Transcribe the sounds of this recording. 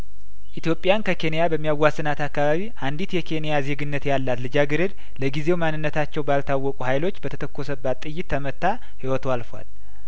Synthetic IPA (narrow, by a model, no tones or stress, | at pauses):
ʔit̪jo̞pʼːjankʰəkʰe̞nijabəmːijawːasːɨnat̪akːaβaβiʔand̪it̪jɛkʰe̞nijazeɡɨnːət̪jalːat̪lɨd͡ʒaɡɨɾɨd̪ | ləɡizewmanːɨnːət̪ʰat͡ʃːɛwbalt̪ʰawːɔkʼuhajlo̞t͡ʃːbət̪ʰə̥t̪ʰəkːo̞səbːat̪ʼːɨjːɪt̪ʰːəmət̪ːa | hiwɔt̪ʰoalfwa̰l